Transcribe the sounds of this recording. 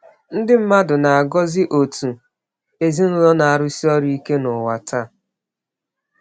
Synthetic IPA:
n̩˦dɪ˦m̩˦ma˦dʊ˨na˨a˨ɡɔ˦zɪ˦ʔo˨tu˨ | e˨zi˦n̩˦lɔ˦na˨a˨ɾʊ˦si˦ɔ˦ɾi˦ke˦nʊ˨wa˨ta˦˨

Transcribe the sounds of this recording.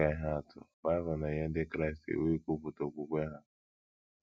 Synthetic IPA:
a˨ɦa˦a˨tʊ̰˨ba˦zʊ˨na˨ja˦dɪ˦kɾa˦i˨stɪ̰˨˦e˦ku˦bʊ˨to˨ɡʷu˨kʷe˦ɦa˦

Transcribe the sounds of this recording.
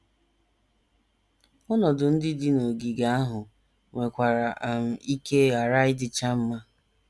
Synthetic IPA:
ʊ˦nɔ˨dʊ˨n̩˦dɪ˦dɪ˦no˨ɡi˨ɡa˨˦a˦ɦʊ˨ | ŋʷe˨kʷa˨ɾa˨m̩˨i˦ke˦a˨ɾa˦ɪ˦dɪ˨t͡ʃa˦m̩˦ma˦

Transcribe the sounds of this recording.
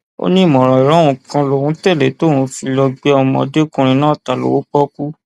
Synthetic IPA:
o̰˦nĩ˦˨mɔ̃˨ɾ̃ã˨i˨ɾɔ̃˨˦ũ˨kã˧lo˨hũ˨˦te˦˨le˨to˦˨hũ˧˦fi˧lɔ˧ɡ͡be˧ɔ̃˧mɔ̰̃˧˦de˦kũ˦˧ɾ̃ĩ˧nãː˦˨ta˨lo̰˨wo˨˦k͡pɔ˦ku˦

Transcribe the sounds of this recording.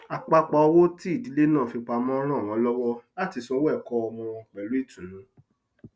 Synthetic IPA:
a˧k͡pa˧k͡pa˧ɔ˧wo˦ti˦i˦˨di˨˦le˦nã˦˨fi˧k͡pa˧mɔ̃˦ɾ̃ãː˦˨w̃ɔ̃˨˦lɔ˦wɔ˦la˦˨ti˧sɔ˧˦wɛ˦˨kɔ˦ɔ˧mɔ̃˧k͡pɛ˨lu˨˦i˦˨tũ˨nũ˨˦

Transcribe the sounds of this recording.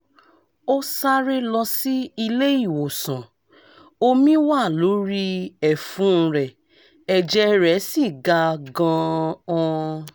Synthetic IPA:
o˦sa˦ɾe˦lɔ˧si˦i˧le˦i˦˨wo˨sã˨ | o˧mĩ˦wa˦˨lo˨˦ɾi˦ɛ˨fũ˨˦˧ɾɛ˨ | ɛ˨d͡ʒɛ˦ɾɛ˨˦si˦˨ɡa˧ɡã˧ɔ̃˧

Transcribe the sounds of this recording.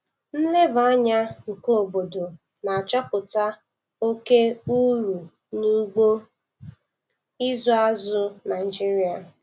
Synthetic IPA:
n̩˦le˦ba˦ɲa˦ŋ̩˨ko˦o˨bo˨do˨ | na˨a˨t͡ʃɔ˦kʊ˨ta˦ | o˦ke˦u˦ɾu˨ | ni˦ɡ͡bo˦ | i˦zɔ˦a˦zʊ˦na˨ɪ˨d͡ʒi˦ɾi˦a˨

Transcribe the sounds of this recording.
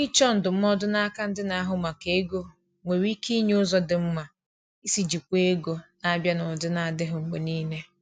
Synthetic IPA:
i˦t͡ʃɔ˦n̩˨dʊ˨m̩˦mɔ˦dʊ˦na˦ka˦n̩˦dɪ˦na˨a˦ɦʊ˦ma˨ke˨e˦ɡo˦ | ŋʷe˨ɾi˦ki˦ɲe˦ʊ˦zɔ˦dɪ˨m̩˦ma˨ | i˦si˨d͡ʒi˨kʷe˦e˦ɡo˨na˦bja˦nʊ˨dʊ˦na˨dɪ˦ɦʊ˨ŋ͡m̩˨ɡ͡be˨niː˦ne˦

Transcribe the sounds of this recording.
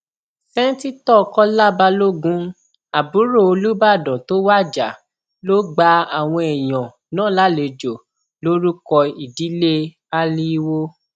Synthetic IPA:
fɛ̃˦ti˦tɔ˦˨˧kɔ˦la˦˨ba˧lo˦ɡũ˦ | a˨bu˨˦ɾo˦˨o˧lu˦ba˦˨dɔ̃˨to˦wa˦˨d͡ʒa˨ | lo˦ɡ͡ba˧a˨w̃ɔ̃˧ɛ˨j̃ɔ̃˨ | nãː˨˦˨la˦le˧d͡ʒo˨ | lo˦ɾu˦kɔ˧i˨di˨˦le˦ | a˦li˦wo˦

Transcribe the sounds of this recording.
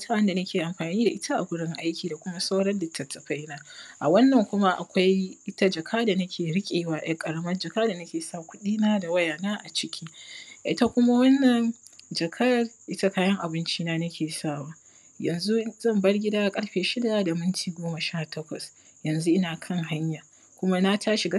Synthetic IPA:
tʰaː˦˨wɐ˦nda˨nɐ˦kʲʰeː˨ʔa˨mɸaː˨niː˦da˨ʔɪ˦tʰa˦ʔa̰˨ɡʷʊ˦ɽɪ˦ŋʔa˦jkʲiː˨da˨kʷʊ˦ma˦sa˦wɽɐ˦ndɪ˨tʰːɐ˨tːɐ˨ɸa˦jnaː˦ʔa˨wɐ˦nːɐ˨ŋkʷʊ˦ma˦ʔa̰˨kʷa˦jʔɪ˦ta˦d͡ʒɐ˨kʰaː˦da˨nɐ˦kʲʰeː˨ɽɪ˦kʲʼeː˨waː˦ʔɐ˦kʼɐ˨ɽɐ˦mɐ˦rd͡ʒɐ˨kaː˦da˨nɐ˦kʲeː˨sa˦˨kʷʊ˦ɗiː˦naː˦da˨wɐ˦jaː˨naː˦ʔa˨t͡ʃɪ˦kʲʰiː˦ʔɪ̰˦ta˦kʷʊ˦ma˦wɐ˦nːɐ˨ŋd͡ʒɐ˨kʰa˦rʔɪ˦ta˦kaː˦jɐ˦ŋʔa˨bɪ˦nt͡ʃi˦naː˦nɐ˦kʲʰeː˨saː˦˨waː˦ | jɐ˨nzu˦zɐ˦˨mbɐ˦rɡʲɪ˦daː˦a˨kʼɐ˦ɽɸeː˨ʃɪ˦da˨˦da˨mʊ˦nt͡ʃiː˨ɡʷoː˦mɐ˨ʃaː˦˨tɐ˦kʷɔ̰˨s | jɐ˨nzu˦ʔɪ˦naː˨kʰɐ˦˨ŋɦa˦ɲjaː˨ | kʷʊ˦ma˦na˦tʰaː˦ʃi˨ɡɐ˦

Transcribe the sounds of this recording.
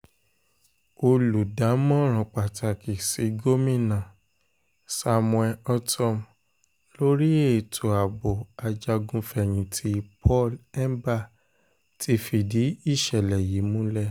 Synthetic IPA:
o˧lu˨da˨˦mɔ̃˦˨ɾ̃ɔ̃˨k͡pa˨tʰa˨ki˨si˨˦ɡo˦mĩ˦˨nã˨ | sa˧mũ˧ɛ˧ɔ˦tʰɔ˧m | lo˦ɾi˦e˦˨tʰo˨a˨bo˨a˧d͡ʒa˧ɡũ˧˦fɛ˦˨j̃ĩ˨˦tʰi˦pʰɔ˦˨lɛ˦m˦ba˦˨ | tʰi˧˦fi˨di˨˦i˦˨ʃɛ˨lɛ˨ji˨˦mũ˦lɛ˦

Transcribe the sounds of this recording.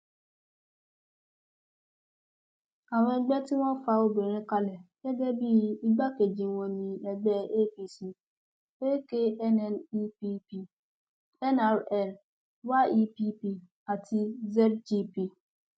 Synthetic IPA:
a˨w̃ɔ̃˦ɛ˦ɡ͡bɛ˦ti˦wɔ̃˦fa˧o˦be˨ɾ̃ɛ̃˦ka˧lɛ˨ɡɛ˦ɡɛ˦bi˦i˦ɡ͡ba˦ke˨d͡ʒĩ˨˦w̃ɔ̃˧nĩ˧ɛ˨ɡ͡bɛ˦˨ʔe˦˨pi˦si˨ | be˦ke˦ɛ˦nɛ˦ni˦pi˦˨ | ɛ˦na˦ɾɛ˦˨l | wa˦i˦pi˦pi˦ | a˨tʰi˧zɛ˦ɾd͡ʒi˦pi˦

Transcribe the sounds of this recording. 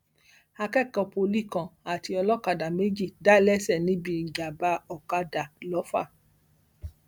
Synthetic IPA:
a˧kɛ˦˨kɔ̃˧˨po˧li˦˨kɔ̃˨a˨ti˧ɔ˧lɔ˦ka˧˨da˨me˦d͡ʒi˦˨da˦lɛ˦sɛ˦˨nĩ˨˦bĩ˧˨ɾĩ˨d͡ʒa˨ba˧˦ɔ˨ka˧da˨lɔ˨˦fa̰˦˨

